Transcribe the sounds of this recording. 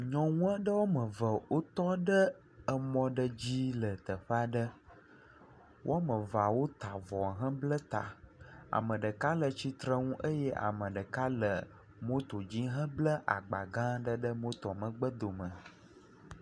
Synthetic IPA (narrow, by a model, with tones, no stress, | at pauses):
ɲɔ̃˨ŋũ˦a˦ɖə˦wo˦mə̃˨və˨wo˦t̪ɔ˦ɖə˦ | ə˨mɔ̃˦ɖə˦d͡ʑi˦lə˨t̪ə˨ɸə˦a˨ɖə˦ | wʔmə̃˨va˨wo˦t̪a˨vɔ˨ɦə̃˦blə˦t̪a̰˨a̰˨mə̃˨ɖə˨ka˦lə˨t͡ɕi˦t̪ɾə˦ŋũ˦ʔə˦jɛ˦ʔa̰˨mə̃˨ɖə˨ka˦lə˨ | mo˦t̪o˨d͡ʑi˦ɦə̃˦blə˦ʔa̰˨ɡ͡ba˨ɡã˦ɖə˦ɖə˦mõ˦t̪ɔ˨mə̃˨ɡ͡bə˦d̪o˨mə̃˨